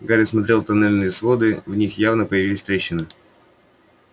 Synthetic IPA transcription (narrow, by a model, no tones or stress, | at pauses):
ɡaɾʲɪsmɐt̪ɾʲe̞lˠt̪ɐnɛlʲnɨjəsvo̞d̪ɨvnʲixjavnəpəjɪvilʲɪsʲt̪ɾʲeɕːɪnɨ